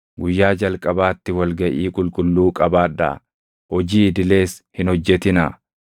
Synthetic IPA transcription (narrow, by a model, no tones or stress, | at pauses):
ɡʊjːaːd͡ʒɐlkʼɐbaːt̪ːɪwɐlɡɐʔiːkʼʊlkʼʊlːuːkʼɐbaːᶑdɐ̰ | hɔd͡ʒiːɪd̪ɪle̞ːshɪnɔd͡ʒːɛt̪ɪnɐ